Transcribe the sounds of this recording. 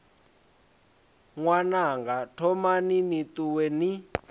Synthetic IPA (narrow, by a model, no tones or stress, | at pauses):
ŋwanaŋɡatʰɔmaninit̪uwɛni